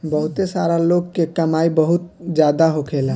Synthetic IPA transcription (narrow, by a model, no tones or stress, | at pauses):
bəɦʊt̪esaɾaloːɡ̚kekəmaːibəɦʊt̪̚d͡ʒjad̪aɦokʰela